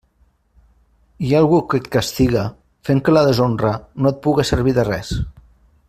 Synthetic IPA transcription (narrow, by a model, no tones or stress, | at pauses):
ialˠɣukət̪̚kast̪iɣə | feŋkəlaðəzonrənoət̪̚puɣəsəɾβ̞iðərɛs